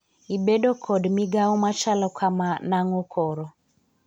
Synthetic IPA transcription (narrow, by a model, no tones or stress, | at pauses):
ibɛɗɔkʰɔdmiɡaɔmat͡ʃalɔkʰamanaŋɔkʰɔɾɔ